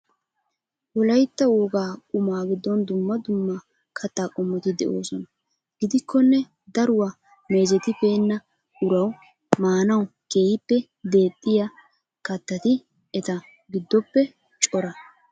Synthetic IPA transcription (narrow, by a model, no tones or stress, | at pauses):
wɔlɐjt̪ːɐwoːɡaːkʼʊmaːɡɪd̪ːɔnd̪ʊmːɐd̪ʊmːa | kʰɐt̪ːaːkʼɔmːɔt̪ɪd̪ɛʔo̞̰ːsɔnɐ | ɡɪd̪ɪkːɔnːɛ | d̪ɐɾʊwa | me̞ːd͡ʒɛt̪ɪpe̞ːnːɐ | ʊɾɐw | maːnɐwke̞ːhɪpːɛ | d̪e̞ːt̪ʼːɪja | kɐt̪ːɐt̪ɪ | ɛt̪ɐ | ɡɪd̪ːɔpːɛ | t͡ʃʼɔɾɐ